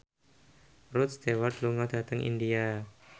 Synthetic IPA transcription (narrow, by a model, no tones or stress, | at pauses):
rʊt̪̚st̪ewart̪luŋɔd̥at̪əŋḭndia